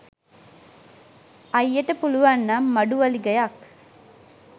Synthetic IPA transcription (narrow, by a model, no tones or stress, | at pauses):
ɐjːɐʈɐpuluʋanːamːɐɖuʋɐliɡɐjak